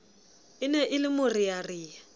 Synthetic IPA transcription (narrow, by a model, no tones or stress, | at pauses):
ɪnɛʔɪlɪmʊrijariːa